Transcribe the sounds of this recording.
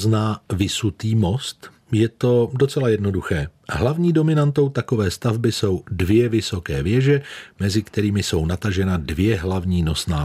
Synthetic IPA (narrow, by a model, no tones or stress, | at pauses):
znaːvɪsut̪iːmo̞st̪ | jɛt̪o̞do̞t͡sɛlajɛdno̞duxɛːɦlavɲiːdo̞mɪnant̪o̞wt̪ako̞vɛːst̪avbɪso̞wdvjɛvɪso̞kɛːvjɛʒɛmɛzɪkt̪ɛɾiːmɪso̞wnat̪aʒɛnadvjɛɦlavɲiːno̞snaː